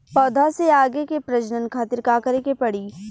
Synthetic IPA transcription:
pɔːd̪ʱaseaːɡekepɾɐd͡ʒnənkʰaːt̪ɪɾkaːkəɾekepɐɽiː

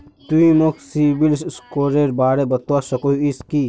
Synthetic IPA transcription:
t̪uimoksibilsskoːɾeɾbaːɾebɐt̪wasɐkoiiski

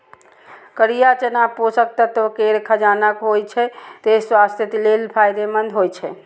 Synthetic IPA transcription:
kəɾijat͡ʃənaposək̚t̪ət̪okeɾkʰəd͡ʒanəkɦojt͡ʃʰɛt̪swast̪ʰjet̪lelpʰajd̪emənd̪ʱɦojt͡ʃʰɛ

